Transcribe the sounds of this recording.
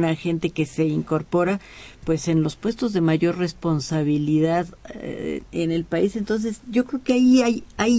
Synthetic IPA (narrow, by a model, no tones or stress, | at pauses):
naxe̞nt̪e̞ke̞se̞iŋko̞ɾpo̞ɾa | pwe̞se̞nlo̞spwe̞st̪o̞zðe̞maʝo̞rre̞spo̞nsaβiliðað̰ | ene̞lpaise̞nt̪o̞ns̬e̞sʝo̞kɾe̞okeaiajaj